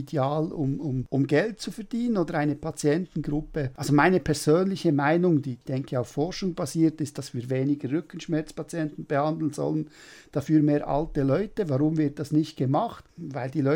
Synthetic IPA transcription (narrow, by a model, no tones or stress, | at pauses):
id̥eaːlʊmʊmʊmɡɛlt̚t͡sufɛʁd̥iːnənoːdəɾaɪnəpʰɑt͡sjɛntn̩ɡʁʊpəʔɑlzomaɪnəpʰɛɾz̥øːnlɪçəmaɪnʊŋd̥iːd̥ɛŋkʰəaʊfɔɾʃʊŋbaziːtɪstd̥ɑsv̥iːɾveːnɪɡəːʏkən̩ʃmɛɐt͡spɑt͡sjɛntn̩b̥əhɑndl̩n̩zɔ̰lən | d̥ɑfyːɐmeːɾʔɑ̰ltəlœʏtəvɑʁʊmvɪɾt̚d̥ɑsnɪçt̚ɡ̥əmɑχtvaɪldiːlɔ